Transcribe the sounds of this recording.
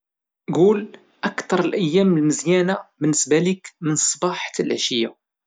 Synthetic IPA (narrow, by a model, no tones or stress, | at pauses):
ɡul | ʔækt̪ɑɾˤəlʔəjːæmːəlməzjænabənːəsbælikmənsˤbɑħt̪lʕəʃəjːa